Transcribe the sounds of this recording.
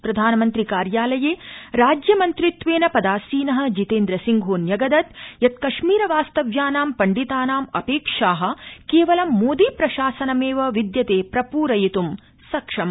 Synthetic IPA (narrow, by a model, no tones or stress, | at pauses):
pɾɐd̪ʱaːnɐmɐnt̪ɾikaːɾjaːlɐjeːɾaːd͡ʒjɐmɐnt̪ɾit̪ʋeːnɐpɐd̪aːsiːnɐɦɐ̆d͡ʒit̪eːnd̪ɾɐsiŋɡʱoːnjɐɡɐd̪ɐt̪jɐt̪̚kɐʃmiːɾɐʋaːst̪ɐʋjaːnaːmpɐɳɖit̪aːnaːmɐpeːkʂaːɦɐ̆keːʋɐlɐmːoːd̪ipɾɐʃaːsɐnɐmeːʋɐʋid̪jɐt̪eːpɾɐpuːɾɐjit̪um | sɐkʂɐmɐ